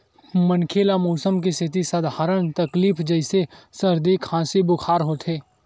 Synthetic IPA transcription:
mənkʰeːlamoːsəmkest̪ʰɪt̪̬isəd̪ʱaːɾəñt̪ɐkliːfʰd͡ʒəɪsesəɾd̪iːkʰãːsibʊkʰaːɾɦoːt̪ʰɦeː

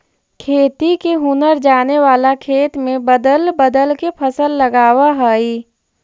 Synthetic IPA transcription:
kʰeːt̪ikeɦʊnəɾd͡ʒaːneʋaːlakʰeːt̪mẽbəd̪əlbəd̪əlkepʰəsəlːəɡaːwaɦɛi

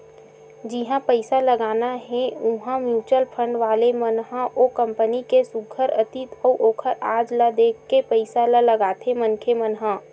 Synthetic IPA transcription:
d͡ʒɪɦãpəɪsaləɡaːnaɦɛ̃ʊɦãmjuːt͡ʃəlpʰə̃ɳɖʋaːlemənɦãʔoːkə̃mpənikesʊɡʱəɾət̪it̪ɔːʔoːkʰəɾaːd͡ʒlad̪eːkʰːepɐɪsalalɐɡaːt̪ʰemənkʰemənɦãː

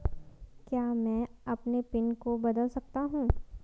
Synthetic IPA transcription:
kjaːmɛ̃ːɐpnepɪnkobɐd̪əlsɐk̚t̪aɦũː

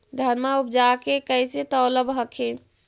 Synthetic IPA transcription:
d̪ʱəɾmaup̚d͡ʒakekəjset̪ɔləbʱɦəkʰe

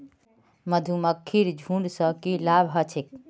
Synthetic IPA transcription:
məd̪ʱuməkʰːiɾd͡ʒʱũɳɖsəkilaːbɦət͡ʃʰek̚

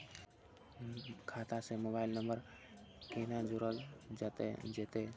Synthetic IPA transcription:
kʰaːt̪asemobaːɪlnəmbəɾ | kenad͡ʒʊɾəld͡ʒat̪ḛd͡ʒet̪e

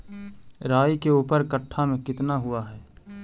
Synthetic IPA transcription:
ɾaːjkeuːpəɾkəʈʰːamẽkɪt̪naɦʊaɦɛː

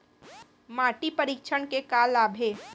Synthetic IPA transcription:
maːʈipɐɾiːkʃʰəɳkekaːlaːbʱeː

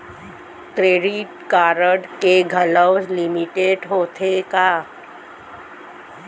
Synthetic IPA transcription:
tɾeːɾiʈkaːɾəɖkeɡʱələwzlimiʈeːɖɦoːt̪ʰekaː

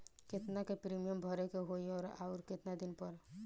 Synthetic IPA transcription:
kɪt̪nakepɾimijəmbʱɔɾekeɦoiɔːɾa̰uɾkɪt̪nad̪ɪnpəɾ

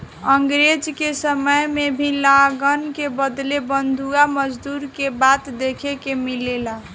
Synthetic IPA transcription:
əŋɡɾed͡ʒkesəməjmebʱilaɡənkebəd̪lebənd̪ʱuaməd͡ʒd̪uɾkebat̪d̪ekʰekemilela

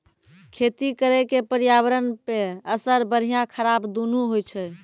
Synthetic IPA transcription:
kʰet̪ikəɾɛkepəɾjaβəɾənpeəsəɾbəɾ̤ijãkʰəɾabd̪unuɦojt͡ʃʰɛ

